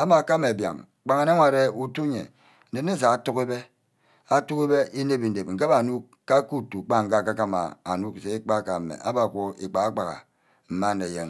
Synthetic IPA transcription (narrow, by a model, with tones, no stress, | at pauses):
a˦ma˨ka˦me˨bja̰˨ŋ | k͡pa˨ŋa˨ne˦ŋʷa˨ɾe˦u˦tu˦ɲḛ˨ | n̩˨de˨˦ne˦˨s̬a˨a˦tu˦ke˦be˦ | a˦tu˦ki˦be˦ʔi˦ne˦bi˨n̩˨de˨p̚ŋ̩˨ke˦ba˨nu˦ | ka˦ku˦tu˨k͡pa˦ŋ˨ka˦˨ka˦ka˦ma̰˨a̰˨nu˦kse˨˦k͡pa˦˨ka˨mḛ˨ʔa̰˦ba˨kʷo˦ḭ˨k͡pa˨ɣa˦k͡pa˨ɣa̰˨ | m̩˨ma˦ne˨je˦ŋ